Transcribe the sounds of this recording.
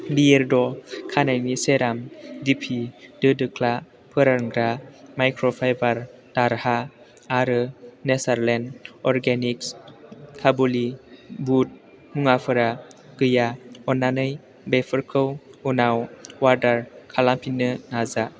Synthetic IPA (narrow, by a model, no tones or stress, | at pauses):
bieɾdɔkʰanajniseɾamdipʰidɯdɯkʰla | pʰɯɾaŋɡɾamajkʰɾɔpʰajbaɾ | taɾha | aɾɯnesaɾlenɔɾɡenikskʰabolibut̚ | muŋapʰɯɾa | ɡ̥ɯjaɔnːanɯj | bepʰɯɾkʰɯwunawwaɾdaɾkʰalampʰinːɯnaza